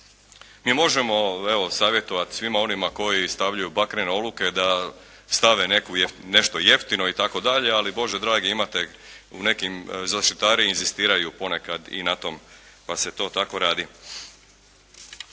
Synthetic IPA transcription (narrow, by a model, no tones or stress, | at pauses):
miːmo̞ʒemo̞e̞ʋo̞saːʋje̞t̪o̞ʋat̪i̥sʋimao̞nimako̞jist̪aʋʎujubakɾeneo̞d̪luke̞d̪a | st̪aʋe̞ne̞kujne̞ʃt̪o̞je̞ft̪inoit̪ako̞d̪aʎe̞alibo̞ʒed̪ɾaːɡiimat̪e | une̞kimzaʃt̪it̪aːɾiinzist̪iːɾajupo̞ne̞kad̪ḭnat̪o̞mpase̞t̪o̞ːt̪ako̞ɾaːd̪i